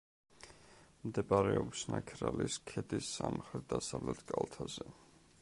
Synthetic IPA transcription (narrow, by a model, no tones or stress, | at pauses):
md̪ɛbaɾɛɔbisnakʰɾaliskʰɛd̪isːamχɾɛt̪̚d̪asavlɛt̪ʰkʼalˠt̪ʰazɛ